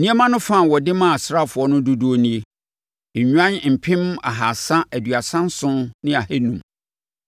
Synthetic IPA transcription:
nĩ˦e˦mã˦nʊ̃˦fã˦˨wɔ˨dɪ˦mã˦˨a˨sɾa˦fʊ˨ɔ˦nʊ̃˦du˦du˦o˦nĩ˦e˦ | ɲ̩˨ɲᶣu˦ã˦n˨m̩˨pʰɪ̃˦ma̰˨ɦa˨sã˦ʔæ˨dɥa˨sã˦n˦sʊ̃˦nnɪ̃˦a˨hæ˦nũ˨˦m

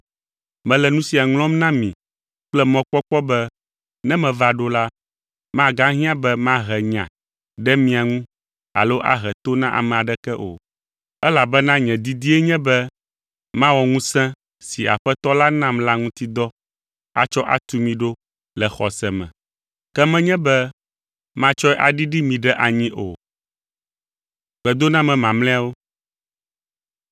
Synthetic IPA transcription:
mɛ̃˨lɛ˨nũ˦si˨a˨ŋl̃ɔ̃˦mnã˦mĩ˨ | k͡plɛ˦mɔ̃˦k͡pɔ˦k͡pɔ˦bɛ˦ | nɛ̃˦mɛ̃˨va˨ɖo˦la˦ | mã˦ɡã˦ɦĩ˦ã˦bɛ˦mã˦ɦɛ˨ɲã̰˨ | ɖɛ˦mĩ˨a˨ŋũ˦ | a̰˨lo˦ʔa̰˦ɦɛ˨t̪o˦nã˦ʔa̰˨mɛ̃˨a˨ɖɛ˦kɛ˦ʔo̰˨ | ɛ˦la˨bɛ˦nã˦ɲɛ̃˨d̪i˦d̪i˦ɛ˦ɲɛ̃˦bɛ˦ | mã˦wɔ˨ŋũ˦sɛ̃˦ | si˨a̰˨ɸɛ˦t̪ɔ˦la˦nã˦mla˦ŋũ˦t̪i˦d̪ɔ˦ | a̰˦t͡ʃɔ˦ʔa̰˨t̪u˦mĩ˨ɖo˦ | lɛ˨xɔ˨sɛ˨mɛ̰̃˨ | kɛ˦mɛ̃˦ɲɛ̃˦bɛ˦ | mã˦t͡ʃɔ˦ɛ˦ʔa˨ɖi˦ɖi˦mĩ˨ɖɛ˦ʔa˨ɲĩ˦ʔo˨ | ɡ͡bɛ˨d̪o˦nã˦mɛ̃˨mã˨mlɛ̃˦a˦wo˦

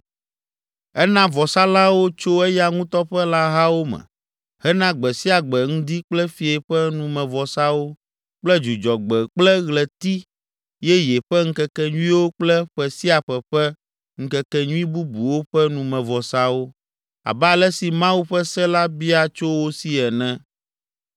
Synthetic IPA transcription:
ɛ˦nã˦vɔ˨sa˦la˦wo˦t͡ʃo˦ɛ˦ja˦ŋũ˦t̪ɔ˦ɸɛ˦la˦ɦa˦wo˦mɛ̰̃˨ | hɛ˦nã˦ɡ͡bɛ˨si˦a˨ɡ͡bɛ˨ŋ̩̃˦d̪i˦k͡plɛ˦fi˨e˨ɸɛ˦nũ˨mɛ̃˨vɔ˨sa˦wo˦ | k͡plɛ˦d͡ʒu˨d͡ʒɔ˨ɡ͡bɛ˨k͡plɛ˦ɣlɛ˨t̪i˦ | jɛ˦jɛ˨ɸɛ˦ŋ̩˦kɛ˦kɛ˨ɲũ˦ĩ˦wo˦k͡plɛ˦ɸɛ˨si˦a˨ɸɛ˨ɸɛ˦ | ŋ̩˦˨kɛ˦kɛ˦ɲũ˦ĩ˦bu˦bu˨wo˦ɸɛ˦nũ˨mɛ̃˨vɔ˨sa˦wo˦ | a̰˨bɛ˦a˨lɛ˦si˨mã˦wu˦ɸɛ˦sɛ˦la˦bi˦a˨t͡ʃo˦wo˦si˦ɛ˨nɛ̃˦

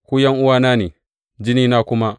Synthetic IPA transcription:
kʷuː˦jɐ˦ŋʔʊ˦waː˦naː˦ne˨ | d͡ʒɪ˦niː˦naː˦kʷʊ˦ma˦

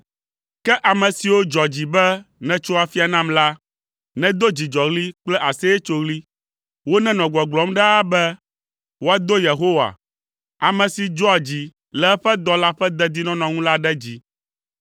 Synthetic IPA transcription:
kɛ˦ʔa˨mɛ̃˨si˨wo˦d͡ʒɔ˨d͡ʑi˨bɛ˦nɛ̃˨t͡ʃo˦a˨fi˦a˨nã˦mla˦ | nɛ̃˦d̪o˦d͡ʑi˨d͡ʒɔ˨ɣli˦k͡plɛ˦ʔa˨sɛ˦jɛ˦t͡ʃo˦ɣli˦ | wo˦nɛ̃˦nɔ̃˨ɡ͡bɔ˨ɡ͡blɔ˨˦mɖɛ˦a˦bɛ˦ | wo˦a˨d̪o˦je˨ɦo˦wa̰˨ | a˨mɛ̃˨si˨d͡ʒɔ˦a˨d͡ʑi˨ | lɛ˨ɛ˦ɸɛ˦d̪ɔ˦la˦ɸɛ˦d̪ɛ˦d̪i˦nɔ̃˦nɔ̃˨ŋũ˦la˦ɖɛ˦d͡ʑi˨

